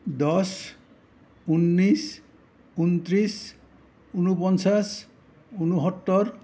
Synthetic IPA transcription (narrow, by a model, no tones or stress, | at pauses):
d̪ɔs | unːis | unt̪ɾis | unupɔnt͡ʃas | unuɦɔt̪ːɔɾ